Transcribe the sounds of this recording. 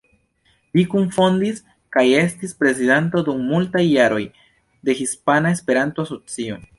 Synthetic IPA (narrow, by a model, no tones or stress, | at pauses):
likuɱfo̞ndis | kaje̞stispɾe̞zidento̞dumːultajːaɾo̞j | de̞hispanae̞spe̞ɾantoaso̞t͡sio̞̰